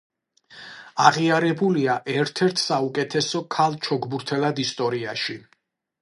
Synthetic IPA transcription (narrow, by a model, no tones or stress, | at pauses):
aʁiaɾɛbuliaʔɛɾt̪ʰɛɾt̪ʰsaukʼɛt̪ʰɛsɔkʰalˠt͡ʃʰɔɡbuɾt̪ʰɛlˠad̪ist̪ʼɔɾiaʃi